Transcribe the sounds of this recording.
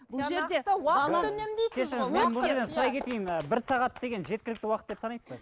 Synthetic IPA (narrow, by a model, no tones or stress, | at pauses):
bʊlˠʒeɾɑɑnemd̪ej̪ʰessɪɾme̞nbʊlˠʒeɾd̪ensʊɾɑjkʰʲet̪ejɪməbɪɾsɑʁɑt̪d̪e̞ɡʲe̞nʒe̞t̪̚kʲɪlɪk̚t̪ɪwɑqət̪̚d̪epsɑnɑjsə̥zɑ